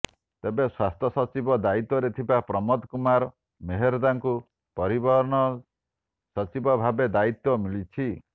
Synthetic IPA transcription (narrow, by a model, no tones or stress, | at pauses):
t̪ebeswast̪ʰjɔsɔt͡ʃibɔd̪ait̪wɔɾet̪ʰibapɾɔmɔd̪kumaɾɔ | meɦeɾɔd̪aŋku | pɔɾibɔɾɔnɔ | sɔt͡ʃibɔbʱabed̪ait̪wɔmilit͡ʃʰi